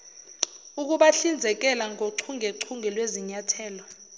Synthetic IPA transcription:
uk̬uɓaɬind͡zʱɛk̬ɛlaŋʱoǀʰuŋʱɛǀʰuŋʱɛlweziɲatʰɛːlɔ

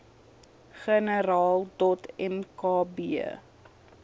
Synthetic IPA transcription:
χənəɾɑːlˠdɔtɛmkɑːbiə

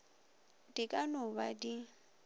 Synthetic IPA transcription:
dikʼanʊbadi

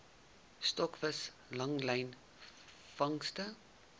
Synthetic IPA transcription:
stɔkvəs | lɐŋlɛjn | fɐŋstə

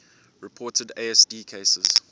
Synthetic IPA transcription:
ɹɪpʰɔːˑtʰədeɛsdiːkʰeɪsəz̥

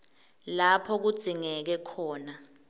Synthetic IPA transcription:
lapʰɔk̬ud̥z̥ʱiŋɛk̬ɛkʰɔːna

